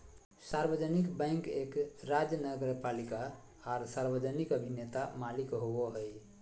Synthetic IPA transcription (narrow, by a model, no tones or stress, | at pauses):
saɾbəd͡ʒənikbɛ̃ɪ̃ŋkekɾad͡ʒjənəɡəɾpalikaː | ɾsaɾbəd͡ʒənikəbʱinet̪amalikɦowoɦəj